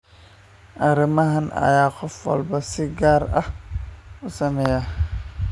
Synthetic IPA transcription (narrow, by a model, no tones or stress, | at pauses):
ʔɐɾɐmɐɦɐnɐ̰jaːqɔfwɐ̰lbɐsɪɡaːɾɐ̰h | ʊsɐmɛja